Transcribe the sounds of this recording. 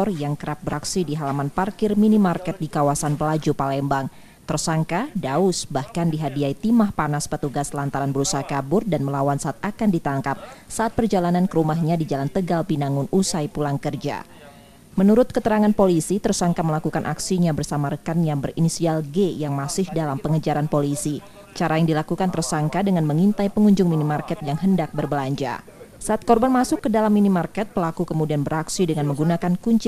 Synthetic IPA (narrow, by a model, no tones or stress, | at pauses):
tɔrjaŋkəɾap̚bəɾaksidiɦalamanparkɪrminimarkɛt̪̚dikawasanpəlad͡ʒupalɛmbaŋ | t̪ərsaŋkadaʊsbahkandiɦadiait̪imahpanaspət̪uɡaslant̪aɾanbəɾusaɦakabʊrdanməlawansaʔat̪akandit̪aŋkap̚saʔat̪̚pərd͡ʒalanankəɾumaɦɲadid͡ʒalant̪əɡalpinaŋʊnʔusajpulaŋkərd͡ʒa̰ | mənuɾʊt̪̚kət̪əɾaŋanpolisit̪ərsaŋkaməlakukanʔaksiɲabərsamaɾəkanjaŋbərinisialɡejaŋmasɪhdalampəŋəd͡ʒaɾanpolisi | t͡ʃaɾajaŋdilakukant̪ərsaŋkadəŋanməŋint̪ajpəŋuɲd͡ʒʊŋminimarkɛt̪jaŋɦəndak̚bərbəlaɲd͡ʒa̰ | saʔːt̪̚kɔrbanmasʊkːədalamːinimarkɛt̪̚pəlakukəmudianbəɾaksidəŋanməŋɡunakankuɲt͡ʃɪ